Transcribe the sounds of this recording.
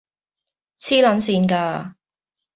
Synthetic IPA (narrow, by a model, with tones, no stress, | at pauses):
t͡sʰiː˥lɐ˨˥nsiː˧nkaː˧